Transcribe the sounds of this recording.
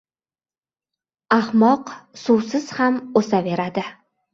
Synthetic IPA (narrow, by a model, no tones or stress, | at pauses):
ahmɒqsuwsɪz̥hamosave̞ɾad̪ɪ